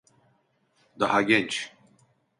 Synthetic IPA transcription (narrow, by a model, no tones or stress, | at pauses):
d̪aɦaɡʲɛnt͡ʃ